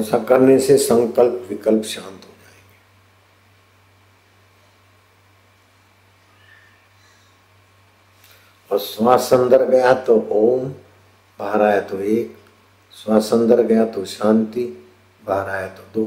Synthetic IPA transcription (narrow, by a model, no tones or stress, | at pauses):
sakɐɾnesesə̃ŋkəlpʋɪkəlpʃãːnt̪ɦod͡ʒaːẽːɡeː | ɔːɾswaːsə̃nd̪əɾɡɐjat̪oʔoːm | bʱaːɾaːjet̪oeːk | swaːsə̃nd̪əɾɡɐjat̪oʃãːnt̪i | bʱaːɾaːjet̪od̪oː